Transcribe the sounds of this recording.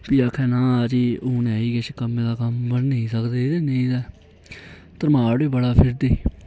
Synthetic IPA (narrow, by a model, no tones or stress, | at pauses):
piːakʰɛ̃ːnãːd͡ʒiːuːnɛːiːkeʃkəmːẽːd̪aːkəmbənːəĩːsəkd̪eːd̪eːneĩːd̪ɛː | t̪əɾmaːɽiːbəɽaːpʰɪɾd̪eː